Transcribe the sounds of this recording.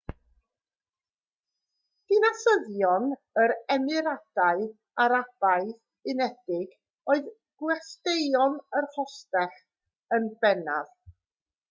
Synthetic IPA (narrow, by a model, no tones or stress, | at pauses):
d̥ɪnasəðjɔn | əɾɛmɨɾad̥aɨ | aɾab̥aɨθ | ɪnɛd̥ɪɡ | oːɨð | ɡ̥wɛstejɔnərhɔstɛχ | ənbɛnað